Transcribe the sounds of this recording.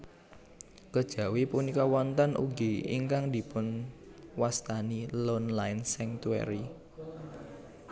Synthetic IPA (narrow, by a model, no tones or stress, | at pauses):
kəd̥ʒ̥ä̤wipunikɔwɔnt̪anʔṵɡiḭŋkaŋd̪̥i̤pʊnwast̪anilɔnlaɪnsɛŋt̪uɛ̰ɾi